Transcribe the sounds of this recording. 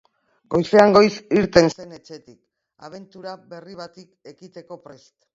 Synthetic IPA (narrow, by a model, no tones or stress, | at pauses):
ɡ̥o̞jse̞aŋɡo̞jsiɾt̪e̞nse̞ne̞t͡ʃe̞t̪ik | a̰β̞e̞nt̪uɾaβe̞riβat̪ike̞kit̪e̞ko̞pɾest̪